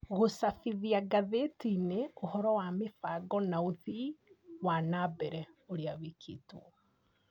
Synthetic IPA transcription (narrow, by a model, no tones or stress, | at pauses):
ɣosafiðiaɡaðetineohɔɾɔwamefaɡɔnaoðiwanabɛɾɛoɾeaβikʰḭtuɔ